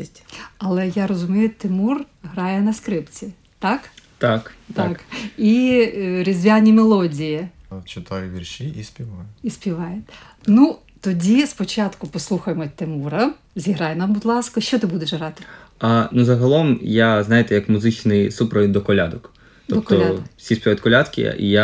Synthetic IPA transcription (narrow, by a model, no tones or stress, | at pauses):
tʲɐlˠɛjaɾɔzʊmʲijʊt̪ɪmur | ɦɾɑjɛnɐskɾɪpt͡sʲi | t̪ɑkt̪akt̪aki | ɾʲizʲʋʲanʲimelˠɔdʲiji | t͡ʃɪt̪ajʊʋʲirʃiʔisʲpʲiʋɑjɛisʲpʲiʋɑjɛ | nu | t̪ɔdʲispɔt͡ʃɑt̪kʊpɔslˠuxɐjemɔt̪ːemuɾɐ | zʲiɦɾɑjɛnɑmbʊd̪lˠɑskɐʃt͡ʃɔt̪ɪbud̪eʃɦɾɑt̪ɪ̥ | ɐnuzɐɦɐlˠɔmjaznɑjɪt̪ɛjɐkmʊzɪt͡ʃnɪjsupɾɔnd̪ɔkɔlʲad̪ɔk | t̪ɔɔp̚t̪ɔsʲisʲpʲiaɐt̪ʲkɔlʲad̪kʲɪ̰ʔḭja